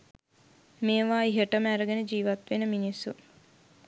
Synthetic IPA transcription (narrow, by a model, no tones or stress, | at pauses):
meːʋaːiɦəʈəmæɾəɡenəd͡ʒiːʋat̪ʋenəminisːu